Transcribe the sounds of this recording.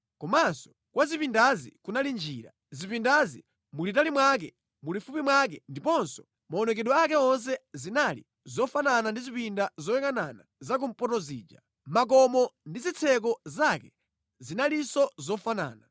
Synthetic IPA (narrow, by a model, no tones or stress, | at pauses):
kɔmansɔ̥ | kwazipindazḭkunalind͡ʒiːɾa̰ | zipindazḭ | mulitalimwak̬ɛ | mulifupimwak̬ɛndipɔnsɔ̥ | maɔnɛk̬ɛɗɔak̬ɛɔns̬ɛzinalḭ | zɔfananandizipindazɔjɛŋananazak̬um̩pɔtɔziːd͡ʒa̰ | mak̬ɔmɔndizit͡sʰɛk̬ɔzakɛ | zinalisɔzɔfana̰ːna